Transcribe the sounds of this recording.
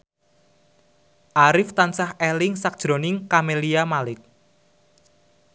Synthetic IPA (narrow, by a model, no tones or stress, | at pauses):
ʔaɾɪft̪ansahelɪŋsak̚d̥ʒ̥ɾo̤nɪŋkameliamalɪk̚